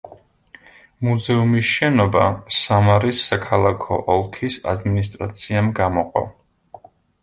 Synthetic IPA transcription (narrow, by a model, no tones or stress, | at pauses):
muzɛumisʃɛnɔbasamaɾisːakʰalˠakʰɔ̰ʔɔlˠkʰisa̰d̪minis̬t̪ʼɾa̰t̪sʰiamɡamɔqʼɔ̰